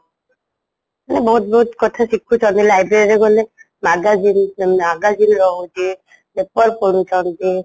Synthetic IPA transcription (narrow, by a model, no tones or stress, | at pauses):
anebɔɦut̪̚bɔɦut̪kɔt̪ʰaʃikʰːut͡ʃɔnt̪ilajbɾeɾiɾeɡɔle | maɡazinaɡazinɾɔɦud͡ʒ̪e | lepɔɾpoɽut͡ʃɔnt̪e